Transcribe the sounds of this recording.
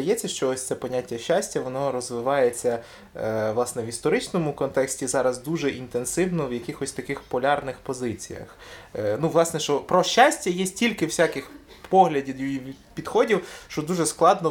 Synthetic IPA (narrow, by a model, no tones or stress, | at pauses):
d̪ɐjɛt͡sʲːɐʃt͡ʃɔɔsʲt̪sɛpɔnʲatʲːɐʃːasʲtʲɐʋɔnɔɾɔzʋɪʋɑjet͡sʲːɐ | ʋlˠɑsnɛʋist̪ɔɾɪt͡ʃnɔmʊkɔnt̪ɛksʲtʲizɑɾɐzd̪uʒɛʔint̪ensɪwnɔwjɐkɪxɔsʲt̪ɐkɪxpɔlʲɑrnɪxpɔzɪt͡sʲḭjɐ̰x | nuʋlˠɑsnɛʃt͡ʃɔpɾɔʃʲːasʲtʲɐjɛsʲtʲilʲkɪwsʲakɪx | pɔɦlʲɐdʲid̪jipʲid̪̥xɔdʲiwʃt͡ʃɔd̪uʒɛsklˠɑd̪nɔ